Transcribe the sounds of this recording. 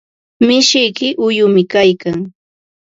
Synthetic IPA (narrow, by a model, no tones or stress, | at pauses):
mɪʃɪjkɪʔʊjʊmɪkajkaŋ